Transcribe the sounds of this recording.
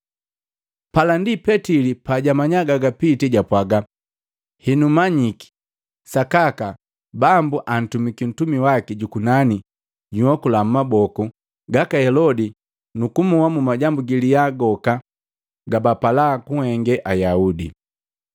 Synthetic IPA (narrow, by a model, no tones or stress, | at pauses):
palandipɛtilipaɟamaɲaɡaɡapitiɟapwaɡa | hinumaɲiki̥ | sakaka | bambuʔan̩tumikin̩tumiwakiɟukunani | ɟuhɔkulam̩mabɔku | ɡakahɛlɔdi | nukumuwamumaɟambuɡilijaɡɔka | ɡabapalakuhɛŋɡɛʔajaudḭ